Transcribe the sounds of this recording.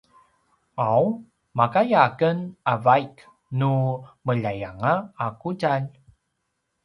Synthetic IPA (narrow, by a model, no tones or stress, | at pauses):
aw | makajakənavajk | numəʎajaŋaːkuɟaʎ